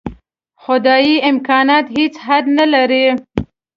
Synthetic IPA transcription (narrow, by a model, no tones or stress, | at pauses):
xʊd̪ɑjiɪmkɑnɑt̪het͡sɦad̪nalaɾi